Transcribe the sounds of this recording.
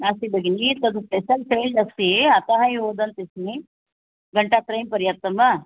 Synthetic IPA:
naːsibɐɡinit̪ɐd̪uspeʃɐlpeːlɖɐst̪iɐt̪ɐɦɐjɦoːd̪ɐnt̪isni | ɡɐɳʈaːt̪ɾɐjmpɐɾjɐt̪ːɐmɐ

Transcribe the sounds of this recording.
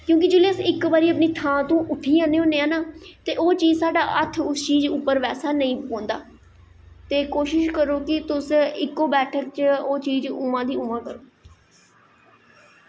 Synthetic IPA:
kjõːk̬ɪd͡ʒeːleːsɪkʋaːɾiːəp̬niːt̪ʰãːt̪õːʔʊʈʰːiːãːneːõːneãːnaːt̪eːʔoːt͡ʃiːd͡ʒsaːɖaːʔət̪ʰʊst͡ʃiːd͡ʒʊpːəɾʋɛːsaːnəĩːpõːnd̪aː | t̪eːkoːʃɪʃkəɾoːkɪt̪ʊsɪkːoːbɛːʈʰək̚t͡ʃəoːt͡ʃiːd͡ʒʊmãːd̪iːʊmãːkəɾoː

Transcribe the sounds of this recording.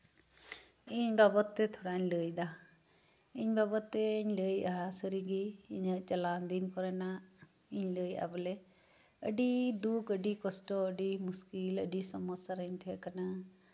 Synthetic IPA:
ɪɲbabət̪ːet̪ʰoɽaːɲləːid̪a | ɪɲbaːbət̪ːeɪɲləːiʔaɦasəɾiɡiɪɲət͡ʃɐlaːnd̪iːnkɔɾɛnaː | ɪɲləːia̰ːbəle | əɖid̪uːkəɖiːkɔsʈoəɖimʊskiːlə̰ɖiːsɐmɔsaɾəɲt̪ʰekəna

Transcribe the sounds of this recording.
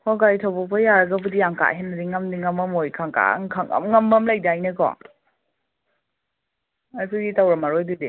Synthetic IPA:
hɔɡajtʰawbɔpʰɐjaɾɐɡɐbɯdiaŋka̰ʔɦenːɐdiŋɐmdiŋɐmɐmojkʰaŋka̰ŋkʰaŋa̰mŋɐmbɐmlajdajnɐɡɔ̰ | asiɡitawɾɐmaɾojdɯdi

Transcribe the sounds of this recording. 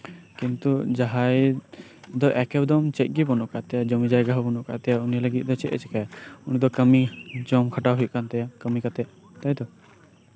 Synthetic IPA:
kint̪ud͡ʒaɦaj | d̪ɔʔɛkɛbd̪ɔmt͡ʃɛc̪̚ˀɡibɔnɔʔkaʔt̪ɛjad͡ʒɔmid͡ʒajɡaɦɔbɔnɔʔka̰ʔt̪ɛjauniləɡit̪̚ˀd̪ɔt͡ʃɛʔɛ̰t͡ʃɛkajaunid̪ɔkəmid͡ʒɔmkʰaʈawɦujʔ̪̚kant̪ɛjakəmikat̪ɛʔ̚ | t̪ajd̪ɔ

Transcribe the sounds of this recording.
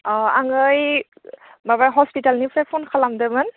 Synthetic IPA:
aŋɯj | babajɦɔspitalnipʰɛpʰɔnkʰalamdɛman

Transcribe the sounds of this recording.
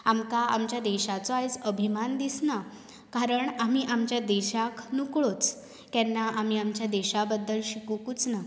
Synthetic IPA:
amkaʔa̰mt͡ɕjad̪eɕat͡soajd͡zəbʱimand̪isna | kaɾəɳamiːʔamt͡ɕjad̪eɕaknukɭot͡s | kɛnːaʔam̤iːamt͡ɕjad̪eɕabəd̪ːəlɕikukut͡sna

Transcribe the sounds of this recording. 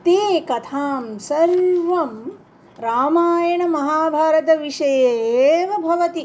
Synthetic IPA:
t̪eːkɐt̪ʰaːmsɐɾʋɐm | ɾaːmaːjɐɳɐmɐɦaːbʱaːɾɐt̪ɐʋiʂɐjeʋɐbʱɐʋɐt̪i

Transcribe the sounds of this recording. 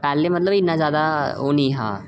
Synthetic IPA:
pɛːleːmət̪ləbɪnːãːzjaːd̪aːoːnĩːɦã̰ː

